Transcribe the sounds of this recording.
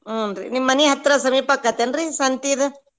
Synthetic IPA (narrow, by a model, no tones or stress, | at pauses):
unɾḭnimanihat̪ɾasamipakat̪enɾisant̪iðɨ